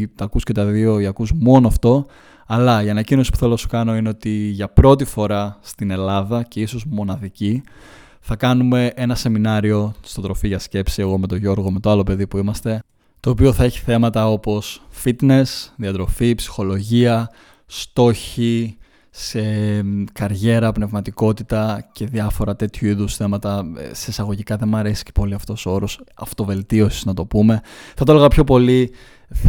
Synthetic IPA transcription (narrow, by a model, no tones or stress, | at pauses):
t̪ɐkusce̞t̪ɐðio̞iɐkusmo̞noɐft̪o̞ | ɐlɐiɐnɐcino̞si̥pu̥θe̞losu̥kɐno̞ineo̞t̪iʝɐpɾo̞t̪ifo̞ɾɐst̪ine̞lɐðɐce̞iso̞zmo̞nɐðici | θɐkɐnume̞ʔe̞nɐse̞minɐɾio̞st̪o̞t̪ɾo̞fiʝɐsce̞psie̞ɣo̞me̞t̪o̞ʝo̞ɾɣo̞me̞t̪oɐlo̞pe̞ðipuimɐst̪e̞ | t̪o̞ːp̬io̞θɐe̞çi̥θe̞mɐt̪ɐo̞po̞sfit̪ne̞sðiɐt̪ɾo̞fipsi̥xo̞lo̞ʝiɐ | st̪o̞çi | sekɐɾʝe̞ɾɐpne̞vmɐt̪iko̞t̪it̪ɐce̞ðɐfo̞ɾɐt̪e̞t̪çuiðusθe̞mɐt̪ɐ̰sesɐɣo̞ʝikɐðe̞nmɐɾesi̥ce̥po̞liɐft̪o̞soo̞ɾo̞sɐft̪o̞ve̞lt̪io̞si̥znɐt̪o̞pume̞θɐt̪oleɣɐpço̞po̞li